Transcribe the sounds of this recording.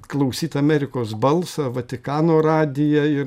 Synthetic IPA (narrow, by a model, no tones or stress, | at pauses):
klˠɐʊsʲiːt̪ɐːmʲɛɾʲɪkoːsbɐlˠsɑʋɐt̪ʲɪkɑːnoːrɑːd̪ʲɪjɛɪ